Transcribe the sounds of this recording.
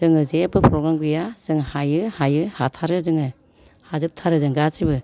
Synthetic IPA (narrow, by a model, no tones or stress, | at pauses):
ɯŋɯzebɯpʰɾɔɡɾamɡɯjaz̥ɯŋhajɯhajɯhatʰaɾɯzɯŋɯ | hazɯp̚tʰaɾɯzɯŋɡasibɯ